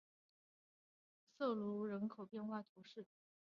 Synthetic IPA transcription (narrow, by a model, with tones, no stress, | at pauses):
sɤ˥˩lu˧˥ɻə˧˥nkʰo˨˩ʊpjɛ˥˧nxwa˥˩t̪ʰu˧˥ʂɻ̩˥˩